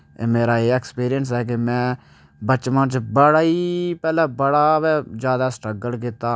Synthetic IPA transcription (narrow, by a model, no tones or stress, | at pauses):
eːmeːɾaːeːɛkspiːɾɪjəns̬ɛːkemɛ̃ː | bət͡ʃmãːt͡ʃbəɽaːiːpɛːlaːbəɽaːʋɛːd͡ʒjaːd̪aːsʈɾəɡəlkɪt̪aː